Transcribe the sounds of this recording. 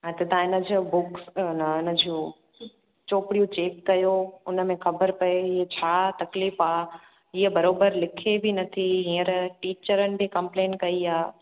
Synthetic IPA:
ɛ̃ːt̪ɐt̪ãɪnə̆d͡ʑbʊksnɐɪnəd͡ʑiũ | t͡ɕoːpɪɽijũt͡ɕeːkːɐjoʊnə̆mẽxɐbəɾpɐeɪɦet͡ɕʰaːt̪ɐkliːfaː | ɪɦəbɐɾoːbəɾlɪkʰebɪnɐt̪ʰiɦĩːəɾʈiːt͡ɕəɾənɪ̆bikɐ̃mplẽːnkɐiaː

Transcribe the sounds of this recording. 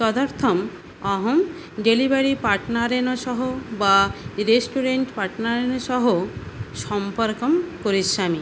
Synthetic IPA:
t͡ʃɔd̪ɔɾt̪ʰɔm | ɔɦom | ɖelibaɾipaʈnaɾenɔʃɔɦobaɾesʈuɾeɳʈpaɾʈnaɾenɔʃɔɦoʃɔmpɔɾkɔmkoɾisːami

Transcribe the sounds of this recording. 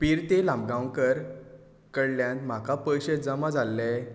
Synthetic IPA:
piɾt̪elãmbɡãwkəɾ | kəɽljãnt̪m̤akapəjɕəd͡zəmãd͡zʱalːɛ

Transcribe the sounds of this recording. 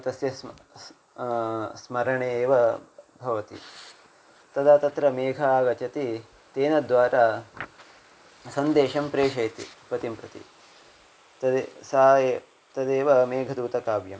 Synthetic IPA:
t̪ɐsjɐs | smɐɾɐɳeːʋɐbʱɐʋɐt̪ḭ | t̪ɐd̪aːt̪ɐt̪ɾɐmeːɡʱɐːɡɐt͡ʃɐt̪i | t̪eːnɐd̪ʋaːɾaː | sɐnd̪eːʃɐmpɾeːʃɐjt̪ḭpɐt̪impɾɐt̪ḭ | t̪ɐsa | t̪ɐd̪eːʋɐmeːɡʱɐd̪uːt̪ɐkaːbjɐm

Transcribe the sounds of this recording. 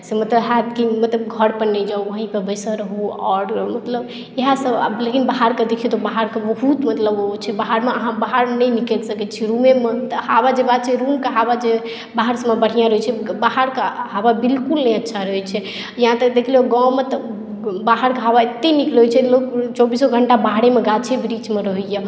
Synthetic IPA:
semət̪ləbɦat̪kimət̪ləbɡʱəɽpəɾnəd͡ʒauoɦĩpebəɪsəɾəɦuɔ̰ːɾmət̪ləb | eɦasəb̰lekinbaɦaɾked̪ekʰiut̪obaɦaɾkebəɦut̪mət̪ləbot͡ʃʰɛbaɦaɾmeəɦãbaɦaɾnəjnikɛlsəkɛt͡ʃʰiɾumemet̪habad͡ʒebad̪̚t͡ʃʰɛɾumkeɦabad͡ʒe | baɦaɾsəməbəɽ̤ijãɾəɦɛt͡ʃʰɛbaɦaɾkeɦababilkulnəjətːʃʰaɾəɦɛt͡ʃʰɛ | jəɦãt̪əd̪ekʰleoɡãwmet̪ɔ | baɦaɾkeɦabaet̪ːeniklɦojt͡ʃʰɛlokt͡ʃɔbisoɡʱəɳʈabaɽemeɡat͡ʃʰebɾit͡ʃmeɾəɦujə

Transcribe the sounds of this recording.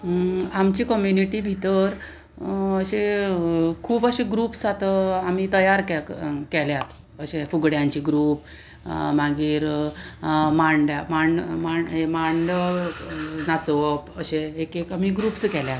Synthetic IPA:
amt͡ɕikɔmjuniʈibʱit̪əɾ | əɕe | kʰuːbəɕẽɡɾuːpsat̪əam̤it̪əjaɾkɛkɛljat̪ | əɕefuɡɽjãɲt͡ɕiɡɾuːp | maɡiːɾ | maɳɖjamaɳɖmaɳemaɳɖə | nat͡səpəɕeekekamiɡɾuːpskɛljat̪

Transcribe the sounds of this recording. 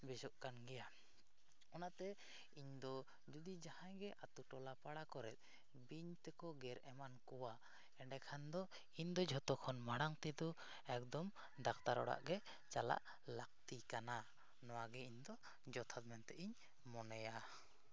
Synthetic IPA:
bɛd͡ʒɔʔkanɡɛja | ɔnat̪ɛ | iɲd̪ɔ | d͡ʒud̪id͡ʒahãjɡɛʔat̪uʈɔlapaɽakɔɾɛ̰t̪̚ˀ | biɲt̪ɛkɔɡɛɾɛmankɔwa | ɛɖɛkʰand̪ɔ | iɲd̪ɔd͡ʒʱɔt̪ɔkʰɔnmaɽaŋt̪ɛd̪ɔ | ɛk̚d̪ɔm | ɖakt̪aɾɔ̰ɽa̰ʔɡɛ | t͡ʃala̰ʔ | lak̚t̪ikana | nɔwaɡɛiɲd̪ɔ | d͡ʒɔt̪ʰat̪mɛnt̪ɛʔiɲ | mɔnɛja

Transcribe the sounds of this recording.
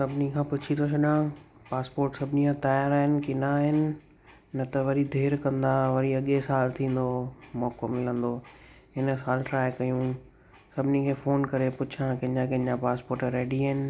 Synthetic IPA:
sɐbʱɪnikʰãːpʊt͡ɕʰit̪ʰosʰɐɗãː | paːspoːɾʈsɐbʱɪniãt̪aːjaɾaːɦɪnɪ̆kɪnaɦɪnɪ̆ | nɐt̪ɐʋɐɾid̪ʱeːɾkɐ̃nd̪aʋɐɾiɐɠesaːlt̪ʰĩːn̆d̪omɔːkomɪlə̃nd̪oː | ɦɪn̆saːlʈɾaːɪkɐjũ | sɐbʱɪnikʰeːfoːnkɐɾepʊt͡ɕʰãkɐ̃ɦd͡ʑãkɐ̃ɦɲd͡ʑãpaːspoːɾʈɾeːɖiɦəɪnɪ̆

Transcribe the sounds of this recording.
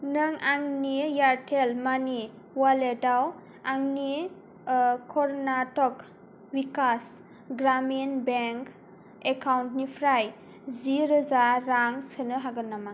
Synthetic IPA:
nɯŋaŋnijaɾtʰelmani | waledaw | aŋni | kʰɔɾnatɔk | wikas | ɡɾamenbeŋk | ekawntnipʰɾaj | ziɾɯzaːaŋsɯnɯɦaɡɯnːama

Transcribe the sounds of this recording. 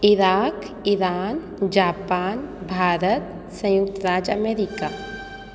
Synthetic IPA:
ɪɾaːk | iɾaːn | d͡ʒaːpaːnbʱaːɾət̪ | sə̃jʊk̚t̪əɾaːd͡ʒəmeːɾikaː

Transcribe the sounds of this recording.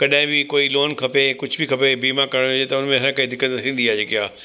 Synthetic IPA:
kɐɗaɦɪ̃bɪkoːiloːnkʰɐpekʊd͡ʑʱbɪkʰɐpebiːmakɐɽ̃et̪ɐʊnmẽsãkɐid̪ɪkːət̪t̪ʰĩːn̆d̪iaːd͡ʑeːkiɦaː

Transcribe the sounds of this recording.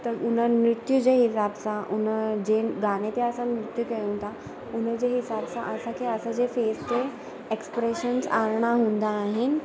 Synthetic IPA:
t̪əɾunəmɾɪt̪jud͡ʑeɦisabsaʔunəd͡ʑeɡaɽ̃et̪eəsanɾɪt̪jukejũnt̪a | unəd͡ʑeɦisabsaʔəsakʰiəsad͡ʑefest̪e | ekspɾeɕənsaɭɳ̃aɦũnd̪aːɦin

